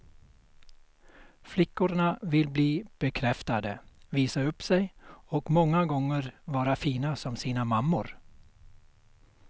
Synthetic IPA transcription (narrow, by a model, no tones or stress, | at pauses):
flɪkːʊɾɳavɪlbliːb̥ɛkʰɾɛft̪ad̪əviːsaɵpːsɛjɔkmɔŋːaɡɔŋːəɾvɑːɾafiːnasɔmsiːnamamːʊɾ